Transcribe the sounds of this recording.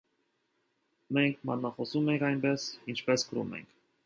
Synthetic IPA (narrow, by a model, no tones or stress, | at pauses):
mɛŋkʰmɑ̰nnɑχɔsumɛŋkɑjnbɛsint͡ʃʰpɛskəɾṵmɛ̰ŋkʰ